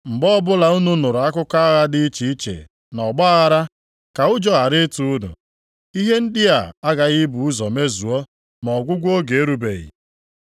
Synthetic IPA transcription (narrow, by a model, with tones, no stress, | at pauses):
m̩˨ɡ͡bɔ˦bʊ˦la˨ʊ˦nu˦nʊ˨ɾʊ˨a˦kʊ˦ka˦a˦ɣa˦dɪ˦i˦t͡ʃi˨i˦t͡ʃḛ˨ | nɔ˨ɡ͡ba˦a˦ɣa˦ɾa˦ | ka˨ʊ˦d͡ʒɔ˦ɣa˨ɾɪ˦tu˦ʊ˦dʊ̰˨ | i˦ɦe˦n̩˦dɪ˦a˨a˦ɡa˨ɣɪ˦bu˨u˦zɔ˨me˦zu˨ɔ˦ | mɔ˨ɡʷʊ˦ɡʷo˦ɡe˨e˦ɾu˦bḛ˨ɣḭ˨